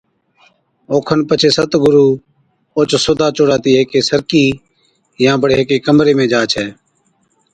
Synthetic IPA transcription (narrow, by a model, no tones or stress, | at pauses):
oːkʰənpət͡ʃʰeːsət̪ɡʊɾuː | oːt͡ʃsoːd̪ʱaːt͡ʃʊɽaːt̪iːɦeːkeːsəɾkiː | jãːbəɽeːɦeːkeːkəmɾeːmẽːd͡ʒaːt͡ʃʰɛː